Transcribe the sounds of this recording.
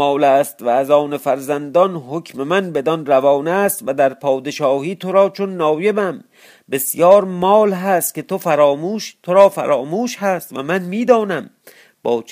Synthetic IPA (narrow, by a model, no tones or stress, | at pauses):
ɒːlæːst̪væːzɒːnefæɾzænd̪ɒnɦokʲʰme̞mænbe̞d̪ɒnɾævɒːnæːst̪væd̪æɾpʰɒːd̪e̞ʃɒːhiːt̪ʰoɾɒːt͡ʃʰonːɒːje̞bæm | be̞sjɒːɾmɒːlɦæːst̪̚ke̞t̪ʰofæɾɒːmuːʃt̪ʰoɾɒːfæ̰ɾɒːmuːʃhæst̪væmænmiːd̪ɒːnæm | b̥ɒːt͡ʃ